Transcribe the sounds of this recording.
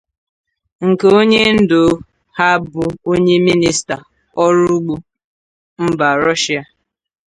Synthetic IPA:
ŋ̩˨ke˨o˦ɲe˦n̩˦do˨ | ha˦bʊ˨˦o˦ɲe˦mi˦ni˦sta˨ | ɔ˦ɾʊ˦ɡ͡bu˦ | m̩˦ba˨ɾɔ˦ʃi˦a˨

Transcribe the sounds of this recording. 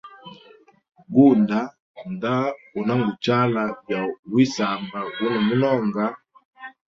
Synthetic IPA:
ɡu˦nda˨˦ | nda˦u˨na˦ŋɡu˨t͡ʃa˦la˨vja˨wi˦sa˨mba˨wu˦nɔ˨mu˦na˦˨ŋɡa˦

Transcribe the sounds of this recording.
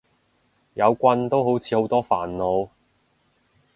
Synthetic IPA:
jɐ˨˧wkʷɐ˧nt̪o˥wɦo˨˥wt͡sʰiː˨˧ho˨˥wt̪ɔː˥fa̰ː˨˩nlo˨˧w

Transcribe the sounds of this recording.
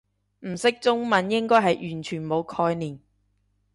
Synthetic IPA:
m̩˨˩sɪ˥k̚t͡sʊ˥ŋmɐ˨˥njɪ˥ŋkɔː˥jɦɐ˨jʔyː˨˩nt͡ʃʰyː˨˩nmo˨˧wkʰɔː˧jniː˨˩n

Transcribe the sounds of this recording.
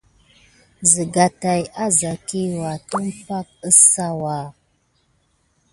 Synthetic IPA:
zə˨ɡa˨ta˨ja˦za˨ki˦wa˨tə˦m˦pa˦k̚ə˦sa˦wa˨

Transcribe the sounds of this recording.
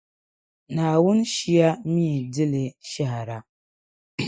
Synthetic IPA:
naː˨wʊ˦n˦ʃi˦ja˦miː˦˨dɪ˦lɨ˨ʃa˦ha˨ɾa˦

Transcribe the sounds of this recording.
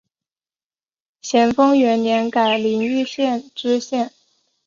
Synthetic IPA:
ɕjɛ˧˩nfɤ˥ŋɥɛ˧˥nnjɛ˧˥nka˨˩ɪli˧˥ŋy˥˧ɕjɛ˥˧nʈ͡ʂɻ̩˥ɕjɛ˥˩n

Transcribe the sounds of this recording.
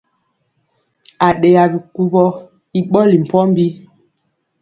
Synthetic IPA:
a˨ɗe˨ja˨bi˨ku˨bɔ˦ | i˨ɓɔ˦li˨m̩˨pɔ˦m˦bi˦

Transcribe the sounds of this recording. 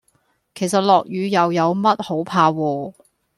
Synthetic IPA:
kʰe˨˩js̬ɐ˨t̚lɔː˨k̚jyː˨˧jɐ˨wjɐ˨˧wmɐ˥t̚ho˨˥wpʰaː˧wɔː˧

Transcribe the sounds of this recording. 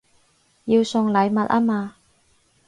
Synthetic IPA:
jiː˧wsʊ˧ŋlɐ˨˧jmɐ˨t̚aː˥maː˧

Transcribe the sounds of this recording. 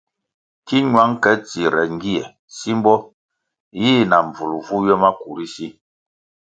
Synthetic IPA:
ki˦ɲwa˨˦ŋkɛ˦t͡si˨ɾɛ˨ŋ̩˦ɡi˦ɛ˨ | si˦m˦bɔ˦ | jiː˦na˨m˨vu˨lu˨vu˦jɛ˦ma˦ku˨ɾi˦si˦

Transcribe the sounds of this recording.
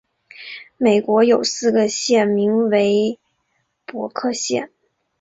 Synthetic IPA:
me˨˩ɪkwɔ˧˥jo˨˩ʊsɹ̩˥˩ɡə˩ɕjɛ˥˩nmi˧˥ŋwe˧˥ɪ | pwɔ˧˥kʰɤ˥˧ɕjɛ̰˥˩n

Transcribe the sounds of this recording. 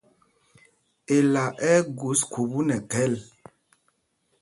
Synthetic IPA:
e˨la˨ʔɛ˦ɡu˨˦skʰu˨bu˦nɛ˨kɛ˦l

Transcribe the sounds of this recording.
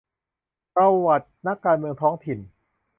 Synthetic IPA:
ka˧wa˨˩t̪̚na˦˥kːaː˧nmɯ˧əŋt̪ʰɔː˦˥ŋt̪ʰi˨˩n

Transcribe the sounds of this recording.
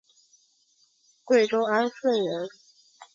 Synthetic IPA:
kwe˥˩ɪʈ͡ʂʊ˥ʊa˥nʂwə˥˩ɪɻə˧˥n

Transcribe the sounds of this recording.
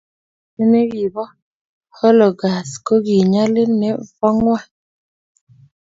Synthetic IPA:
e˦ne˦wi˨bɔ˦ | hɔ˦lɔ˨ɡa˨sko˦ɡi˨ɲa˦lɪ˦ne˨fɔ˦ŋwa˦˨

